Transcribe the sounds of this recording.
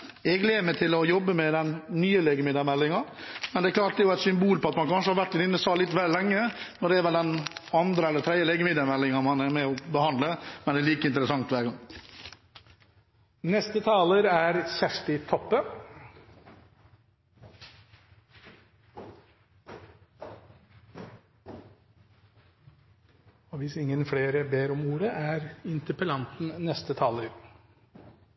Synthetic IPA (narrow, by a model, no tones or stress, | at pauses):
ɛɡleːməʈ̪ʰɪlɔjɔbːəmɛd̪ɛnnyːəleːɡəmɪd̪əɾmɛlːɪŋɑmɛnd̪ɛkʰlɑːʈ̚d̪ɛɾjʊæɪt̪sʏmbuːlpɔɑt̪mɑnkʰɑnʂəhɑɾʋæʈːɪnɪnːəsɑːlɪt̪ːʋɛllɛŋːənɔɖɛɛɾʋɛld̪ɛnɑnd̪ɾəɛlːət̪ʰɾɛd̪jəleːɡəmɪd̪ɑɾmɛlːɪŋɑmɑnæmɛɔbəhɑnd̪ləmɛnd̪ɛːliːkəɪnt̪əɾəsɑŋt̪ʋæːɾɡɑŋ | nɛst̪ət̪ʰɑːləɾæɾsæʂʈ̪ɪt̪ʰɔpːə | ɔʋɪsɪŋːənfleːɾəbeːɾɔmuːɾəʔæɾɪnt̪əpəlɑnt̪n̩nɛst̪ət̪ʰɑːləɾ